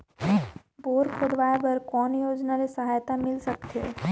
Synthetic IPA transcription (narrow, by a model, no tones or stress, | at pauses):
boːɾkʰod̪ʋaːebɐɾkɔːnjoːd͡ʒnaɾesɐɦaːjt̪amɪlsɐk̚t̪ɛ̰ː